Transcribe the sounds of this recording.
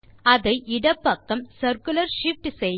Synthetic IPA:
ɐðɐɪʔɪɽɐpːɐkːɐmsɐɾkʊlɐɾʂɪfʈsɛj

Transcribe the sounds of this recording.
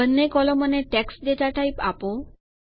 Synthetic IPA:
ənːekɔlɔmɔneʈeksɖeʈ̪aʈaipapo

